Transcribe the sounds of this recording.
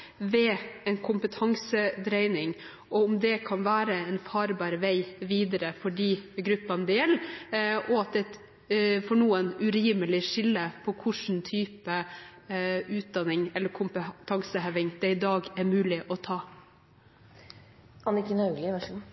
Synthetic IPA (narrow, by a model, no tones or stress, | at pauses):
ʋɛɛnkʰʊmpət̪ʰɑŋsəd̪ɾɛɪnɪŋ | ʔɔʊmd̪ɛkʰɑnʋæːɾəɛnfɑːɾbɑːɾʋæɪʋiːd̪əɾəfɔɖiːɡɾʉpːɑnəd̪ɛjɛlːʔɔɑt̪̚d̪ɛt̪ | fɔɳuːənʉɾiːməlɪʂɪlːəpʰɔkʰʊʂn̩t̪ʰyːpə | ʉːt̪̚d̪ɑnːɪŋɛlːəɾkʰʊmpət̪ʰɑŋsəɦɛʋɪŋd̪̥ɛɪd̪ɑːɡɛɾmʉːlɪʔɔt̪ʰɑː | ɑnɪkɪnɑʉlɪʋæʂ